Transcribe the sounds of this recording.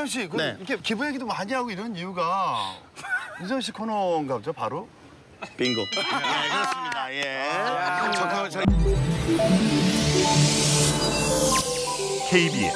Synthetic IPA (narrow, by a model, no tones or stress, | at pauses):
sʰʌŋɕ̬ʰikɯneikʰekibueɡidomhaɡeɦaɡoiɾʌnijuɡa | is̬ʰʌŋɕ̬ʰikʰononɡad͡ʑopaɾo | piŋɡoekɯʌsmɲidajekɯo | kʰeibie